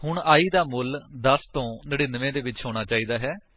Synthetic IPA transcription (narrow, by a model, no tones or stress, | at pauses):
hʊɳaːiːd̪aːmʊld̪əst̪õːneːɽeːnəʋẽːd̪eːʋɪt͡ʃɦoːɽ̃aːt͡ʃaːiːd̪aːɦɛː